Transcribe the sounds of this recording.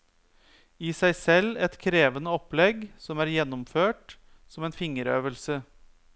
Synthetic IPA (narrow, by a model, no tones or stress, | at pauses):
ɪsæɪsɛlːɛt̪kʰɾeːʋənəɔplɛɡsɔmæːɾjɛnːʊmføːʈ | sɔmɛːnfɪŋəɾø̰ːʋəlsə